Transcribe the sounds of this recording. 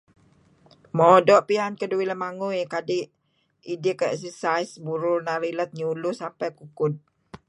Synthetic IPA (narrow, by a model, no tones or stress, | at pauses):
mɔdɔʔpiankəduiləmaŋujkadɪʔ | idikəɛsəsajsbuɾʊrnaɾilət̪̚ɲulʊsampajkukʊd̪̚